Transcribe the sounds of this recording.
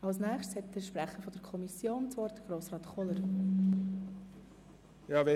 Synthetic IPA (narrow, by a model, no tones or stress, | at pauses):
ɑlsnɛːχʃtshɛt̚d̥əʃpɾɛχəfɔdəɾkʰɔmisjoːnt͡svɔːɾd̥əɡ̥ɾoːsrɑːtkɔləɾ | jɑːvɛ